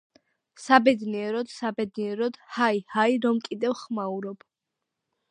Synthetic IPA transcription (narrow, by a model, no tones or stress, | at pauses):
sabɛd̪niɛɾɔd̪̥sabɛd̪niɛɾɔd̪̥haihaiɾɔmkʼid̪ɛvχmauɾɔb̥